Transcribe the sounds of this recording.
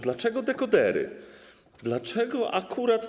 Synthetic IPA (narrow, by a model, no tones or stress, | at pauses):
d̪lat͡ʂɛɡɔd̪ɛkɔd̪ɛɾɘ̰ | d̪lat͡ʂɛɡɔʔakʰuɾat̪